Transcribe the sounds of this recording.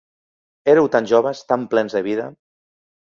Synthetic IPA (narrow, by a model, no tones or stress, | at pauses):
eɾewt̪anʒoβ̞əst̪amplɛnzðəβiðə